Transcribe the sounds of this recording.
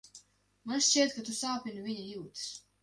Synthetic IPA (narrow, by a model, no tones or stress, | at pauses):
mansʃt͡ʃiɛt̪̚kat̪usaːpʲinuviɲijuːt̪s